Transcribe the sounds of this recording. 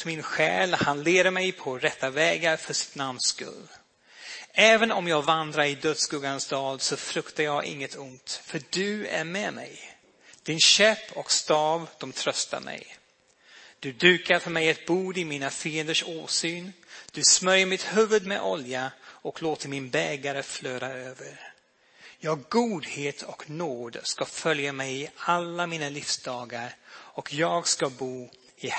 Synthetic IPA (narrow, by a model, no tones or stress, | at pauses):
mɪnɧɛ̰ːlhanleːɾəmɛjpʰɔɾɛt̪ːavɛːɡaɾfœʂɪ̥t̪namnskɵ̰lː | ɛːvənɔmjɑːɡvand̪ɾaɾɪd̪œt̪sɡɵɡansd̪ɑːd̪sɔfɾɵkt̪ajɑːɡʔɪ̰ŋːət̪ʰʊnt̪fœɖɵæ̰ɾmɛmɛ̰j | d̪̥ɪnɕɛpʰːɔkst̪ɑːvd̪̥ɔmt̪ʰɾœst̪a̰ɾmɛ̰j | d̪̥ɵd̪ʉ̟ːkaɾfœɾmɛjɛt̪̚buːd̪ɪmiːnafiːənd̪əʂoːsyːnd̪̥ɵsmœɾjəɾmɪt̪hʉvɵd̪mɛ̰ʔɔljaɔkloːt̪əɾmɪnbɛːɡaɾəfløːɾaøːvəɾ | jɑːɡɡuːd̪heːt̪ʰɔknoːd̪skafœljamɛjɪalːamiːnalɪfsd̪ɑːɡaɾɔkʰjɑːɡskabuː | ɪ